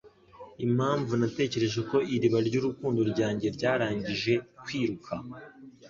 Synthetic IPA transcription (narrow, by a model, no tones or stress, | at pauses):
im̥haːɱvunate̞ːce̞ɾe̞ʒe̞ko̞iɾiβaɾɟuːɾukuːndoɾɟaːɲɟe̞ɾɟaːɾaːɲɟiʒe̞kwiːɾukʰa